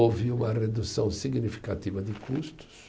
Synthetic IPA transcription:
ovɪũmɐred̪usɐ̃w̃siɡnifi̥kat̪ivɐd̪ɪkʰust̪ʊ̥s

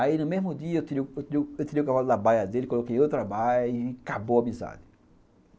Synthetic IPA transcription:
ainʊmezmʊd̪iɐewt̪iɾiwewt̪iɾiewt̪iɾiukavalʊd̪abajɐd̪elɪkolokejmewt̪ɾabajʊikabowɐmiza̰d̪ɪ

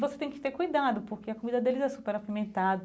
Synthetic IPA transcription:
voset̪ẽj̃kɪ̥t̪eɾkujd̪ad̪ʊpoɾkeɐkomid̪ɐd̪elɪzɛsupeɾafimẽnt̪ad̪ɐ

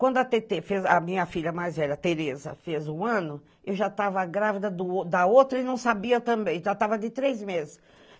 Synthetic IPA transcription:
kwɐ̃nd̪ʊɐt̪et̪efezɐmĩɲɐfiʎɐmajzvɛʎɐt̪eɾezɐ̰fezʊ̃ɐ̃nʊ | ewʒat̪avɐɡɾavid̪ɐd̪ʊd̪ɐowt̪ɾɐɪnɐ̃w̃sabiɐt̪ɐ̃mbẽj̃ʒat̪avɐd̪ɪt̪ɾejzmezɪs

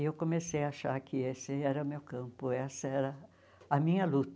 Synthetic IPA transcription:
ɪewkõmesejɐaʃaɾkʰɪesɪɛɾɐʊmewkɐ̃mpʊɛsɐɛɾɐ | ɐmĩɲɐlut̪

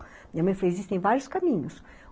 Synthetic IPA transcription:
mĩɲɐmɐ̃j̃flejezist̪ẽj̃vaɾjʊskamĩɲʊs

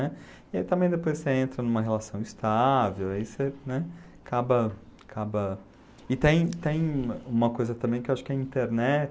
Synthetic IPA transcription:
nɛ | iait̪ɐ̃mbẽj̃d̪epojsseẽnt̪ɾɐnũmɐɦelasɐ̃w̃ist̪avewaisenɛakʰabɐkʰabɐ | ɪt̪ẽj̃t̪ẽj̃ũmɐkojzɐt̪ɐ̃mbẽj̃kɪeowaʃʊ̥kɪɐĩnt̪eɾnɛt͡ʃ

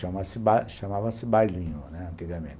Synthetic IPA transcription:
ɐ̃mɐsɪbaʃɐmavɐ̃sɪbajlĩɲʊnɛɐ̃nt̪iɡɐmḛ̃nt̪

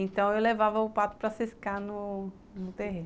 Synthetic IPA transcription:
ẽnt̪ɐ̃w̃ewlevavɐʊpat̪ʊ̥pɾɐsiskanʊ | nʊt̪eɦẽ

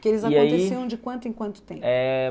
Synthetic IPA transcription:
kɪelɪzaiaõt̪eiseɐw̃d͡ʒɪkwɐ̃nt̪ʊẽkwɐ̃nt̪ʊ̥t̪ẽɛ

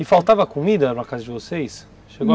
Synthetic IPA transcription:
ɪfalwt̪avɐkomid̪ɐpɾɐkazɐd͡ʒɪvosejs | ʃeɡo

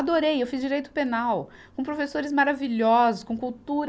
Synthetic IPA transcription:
ad̪oɾejewfizd͡ʒiɾejt̪ʊ̥penaw | kõpɾofesoɾɪzmaɾaviʎɔzʊskõkuwt̪uɾ

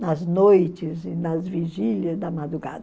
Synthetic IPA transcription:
nɐznojt͡ʃɪzɪnɐzviʒiljɐzd̪ɐmad̪ɾuɡa̰d̪ɐ

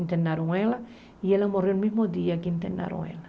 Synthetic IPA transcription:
nt̪enaɾoŋela | ielamorjoelmizmod̪iakint̪ena̰ɾo̰ŋḛla

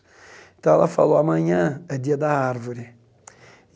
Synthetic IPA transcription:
tala̰fa̰loamãɲãadiadaaɾvuɾi

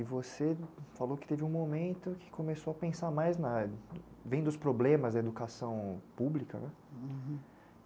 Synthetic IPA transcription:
ɪvosefalowkɪ̥t̪evɪũmomẽnt̪ʊkʰɪ̥kʰõmesowɐpẽsamajznɐ | vẽj̃d̪ʊspɾoblẽmɐzd̪ɐed̪ukasɐ̃w̃publikɐ̰nɛ

